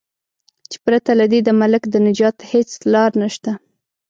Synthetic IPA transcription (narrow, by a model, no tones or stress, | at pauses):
t͡ʃe̥pɾat̪alad̪ed̪əmalɪkd̪ənɪd͡ʒɑt̪het͡slɑɾnaʃt̪a